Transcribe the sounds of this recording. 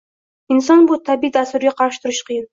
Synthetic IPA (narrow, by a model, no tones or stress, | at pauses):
ɪnsɒnbʊt̪ʰabid̪ast̪ʊɾɡʲaqʰɑɾɪʃɪ̥t̪ʰʊɾɪʃqʰɨjɪn